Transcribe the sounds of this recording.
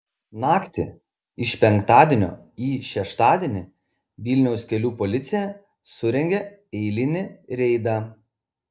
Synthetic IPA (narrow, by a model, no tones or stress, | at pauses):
nɑːkt̪ʲɪ̰ | ɪʃpʲɛŋkt̪ɑːd̪ʲiɛnʲo̰ː | iːʃʲɛʃt̪ɑːd̪ʲiɛnʲɪ | ʋʲɪlʲnʲɛʊskʲɛlʲuːpɔlʲɪt̪sʲɪjɛ | sʊɾʲɛŋʲɡʲɛ | ɛɪlʲɪnʲɪɾʲɛɪd̪ɐ